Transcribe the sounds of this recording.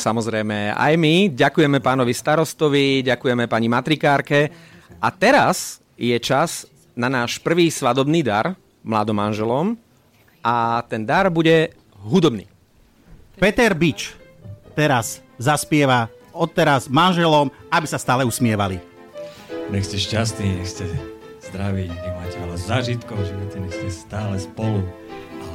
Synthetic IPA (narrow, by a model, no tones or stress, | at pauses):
samɔzɾɛjmɛa̰jmiɟakujɛmɛpaːnɔʋist̪aɾɔst̪ɔʋiɟakujɛmɛpaɲimat̪ɾikaːɾkɛʔat̪ɛɾaz̥ | jɛt͡ʃaz | nanaːʃpr̩ʋiːsʋad̪ɔbniːd̪aɾ | mla̰ːd̪ɔmːanʒɛlɔm | ʔat̪ɛnd̪aɾbuɟɛ | ɦud̪ɔbnḭː | pɛt̪ɛɾbit͡ʃ | t̪ɛɾaszaspɪɛʋa | ɔtt̪ːɛɾazmanʒɛlɔmabisast̪aːlɛusmɪɛʋali | ɲɛxscɛʃcas̬t̪niːɲɛxscɛz̥d̪ɾaʋicɲɛmaːcɛalɛzaːʒit̪kɔʊʒiʋɔt̪ɛɲɛxscɛst̪aːlɛspɔlu | a